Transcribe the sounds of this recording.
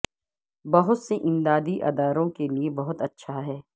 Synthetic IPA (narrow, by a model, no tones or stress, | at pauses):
bɐɦʊt̪seʔɪ̃md̪aːd̪iʔɐ̰d̪aːɾõkeliebɐɦʊt̪ɐtːʃʰaɦɛː